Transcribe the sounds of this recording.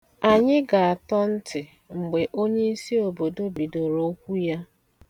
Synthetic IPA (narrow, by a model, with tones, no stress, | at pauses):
a˨ɲɪ˦ɡa˨a˨tɔ˦n̩˦tɪ˨ | ŋ͡m̩˨ɡ͡be˨ʔo˦ɲe˦i˦si˦o˨bo˨do˦bi˨do˨ɾo˦kʷu˦ja˦